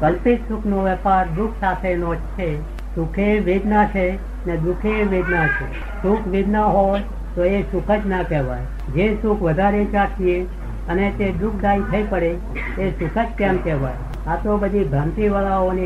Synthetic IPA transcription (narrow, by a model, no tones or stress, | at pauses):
kəlpɪt̪sukʰnoʋɛpaɾd̪ukʰsat̪ʰenod͡ʒt͡ʃʰe | sukʰeʋed̪nat͡ʃʰe | ned̪ukʰeʋed̪nat͡ʃʰe | sukʰʋed̪naɦoj | t̪oesukʰəd͡ʒnakɛɦʋaj | d͡ʒesukʰʋəd̪ʱaɾet͡ʃakʰie | ənet̪ed̪ukʰd̪ait̪ʰəipəɽe | esʊkʰət͡ʃkɛ̃mkɛʋaj | at̪obəd̪ʱibʱəmt̪iʋəɭaoni